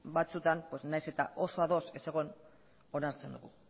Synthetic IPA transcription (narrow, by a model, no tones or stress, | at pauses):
bat͡sut̪ampwe̞snajse̞t̪a̰ʔo̞so̞aðo̞se̞seɣ̞on | o̞naɾt͡se̞nd̪uɣu